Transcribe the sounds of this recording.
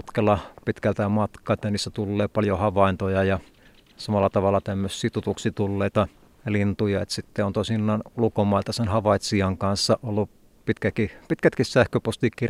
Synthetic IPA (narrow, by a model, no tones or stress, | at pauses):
t̪kɑlːɑpit̪kælt̪æmɑt̪kɑːet̪ːæniːsːæt̪ulːeːpɑljohɑʋɑˑint̪ojɑjɑ | sɑmɑlːɑt̪ɑʋɑlːˑɑt̪æmːøsːiːt̪ut̪uksit̪ulːeit̪ɑ | lint̪ujɑḛt̪sit̪ːeont̪oˑsinːɑːnulukomɑˑilt̪ɑsenhɑʋɑit̪siɑŋkɑnsːɑʔolːu | pit̪kækipit̪kæt̪kissæhkøpost̪ikir